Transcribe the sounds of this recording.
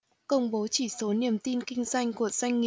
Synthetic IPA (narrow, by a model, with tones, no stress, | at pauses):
kə˧wŋ͡mɓo˨˦t͡ɕi˧˩so˨˦ni˧˩əmt̪i˧nkï˧ŋ̟zwa˧jŋ̟ku˧˩əz̥a˧jŋ̟ːi˨˩